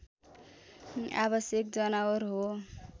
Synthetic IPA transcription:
a̰βʌsjʌk̚d͡ʒʌnaəɾɦo

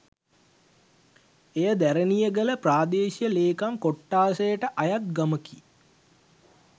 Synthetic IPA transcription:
ejəd̪æɾənijəɡələpraːd̪eːsijəleːkamkoʈːaːsejəʈəʔajat̪̚ɡaməki

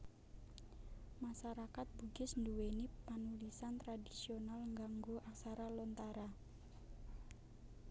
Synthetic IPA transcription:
maʃaɾakat̪̚b̥uɡɪsnduwenipanulisant̪ɾadisionalŋɡaŋɡoʔaksaɾalɔnt̪aɾa

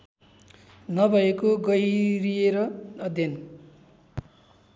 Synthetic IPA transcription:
nʌbʱʌekoɡʌjɾijeɾʌʌd̪ʱjʌn

